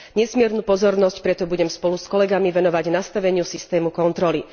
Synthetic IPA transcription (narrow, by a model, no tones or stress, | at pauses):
ɲɛsmɪɛɾnuːpɔzɔɾnɔscpɾɛt̪ɔbuɟɛmspɔluskɔlɛɡamiʋɛnɔʋaɟnast̪aʋɛɲɪusist̪ɛːmukɔnt̪ɾɔli